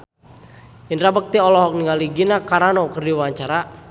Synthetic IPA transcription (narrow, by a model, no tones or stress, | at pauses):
indɾabək̚t̪iɔlɔɦɔk̚niŋaliɡinakaɾanɔkərdiwaɲt͡ʃaɾa